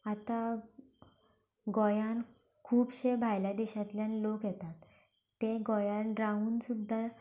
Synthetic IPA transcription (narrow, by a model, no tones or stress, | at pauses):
at̪a | ɡojan | kʰuːbɕebʱajljad̪eɕat̪ljãnlokjɛt̪at̪ː | eɡojanɾauːnsud̪ʱːa